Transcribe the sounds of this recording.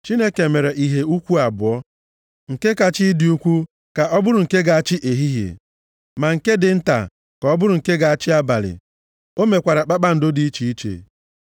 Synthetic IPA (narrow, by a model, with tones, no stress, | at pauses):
t͡ʃi˦ne˦ke˨me˨ɾe˨ʔi˦ɦe˦u˦kʷu˦a˨bʊ˨ɔ˦ | ŋ̩˨ke˦ka˨t͡ʃɪ˦dɪ˨u˦kʷu˦ | ka˨ʔɔ˦bʊ˦ɾʊ˨ŋ̩˨ke˦ɡa˨a˨t͡ʃɪ˦ʔe˨ɦi˦ɦjḛ˨ | ma˨ŋ̩˨ke˦dɪ˨n̩˦ta̰˨ | kɔ˦bʊ˦ɾʊ˨ŋ̩˨ke˦ɡa˨a˨t͡ʃɪ˦a˦ba̰˨lɪ̰˨ | o˦me˨kʷa˨ɾa˨k͡pa˦k͡pa˦n̩˨dʊ˦di˨˦i˦t͡ʃi˨i˦t͡ʃḛ˨